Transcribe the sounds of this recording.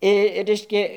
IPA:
ɪ ˈrʲɛɪʃʲkʲɛ

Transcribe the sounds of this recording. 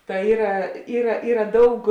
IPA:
tɐ ˈiːrɐ ˈiːrɐ ˈiːrɐ ˈdɐʊk

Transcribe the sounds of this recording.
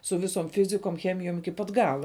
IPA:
sʊ ˈʋʲɪsoːm ˈfʲɪzʲɪkoːm ˈxʲæːmʲɪjoːm ɪkʲɪ ˈpɐt ˈɡɑːlˠɐ

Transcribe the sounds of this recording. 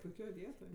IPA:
pʊɪˈkʲoːj ˈʋʲiɛtoːj

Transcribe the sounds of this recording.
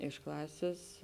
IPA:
ɪʃ ˈklˠɑːsʲeːs

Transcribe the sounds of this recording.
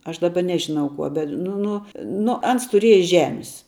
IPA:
ˈɐʃ dɐˈbɐ ˈnʲæːʒʲɪnɐʊ ˈkuɔ bʲɛt nʊ ˈnʊ ˈnʊ ˈɐns tʊˈrʲiɛjɛ ˈʒʲæːmʲɪs

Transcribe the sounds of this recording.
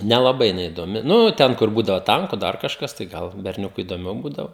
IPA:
nʲɛlˠɐˈbɐɪ jɪˈnɐɪ ɪdoːˈmʲɪ ˈnʊ ˈtʲɛn kʊr ˈbuːdɐʋoː ˈtɐŋkʊ ˈdɐr kɐʃˈkɐs tɐɪ ˈɡɐlˠ bʲɛrʲˈnʲʊkʊɪ ɪdoːˈmʲɛʊ ˈbuːdɐʋoː

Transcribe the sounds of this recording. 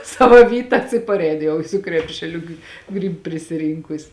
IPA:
ˈsɑːʋɐ ˈʋʲiːtɐs ɪ pɐrʲˈɛɪn ˈjɛʊ sʊ ˈkrʲæːpʲʃʲɛˌlʲʊ ɡʲɪ ˈɡrʲiːp pʲrʲɪsʲɪˈrʲiːŋkʊs

